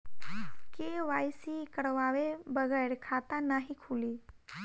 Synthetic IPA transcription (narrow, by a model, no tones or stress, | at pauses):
keːʋaːjsikəɽʋaːʋebəɡəɾkʰaːt̪anaɦikʰuːliː